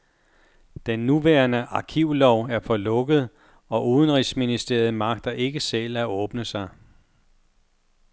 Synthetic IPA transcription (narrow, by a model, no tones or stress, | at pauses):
d̥enːuʋæːɐnəʔɑ̈kʰiʊ̰lɒʊ̰æɐfɒ̽lɔ̽ɡ̥əð̞̩ˠ | ɒ̽ʔuːðˠənʁisminisd̥e̝̰ɐð̞̩ˠmɑ̈ɡ̥̚d̥ɐʔe̝ɡ̥əselæɔ̽ːb̥nəsɑ̈ɪ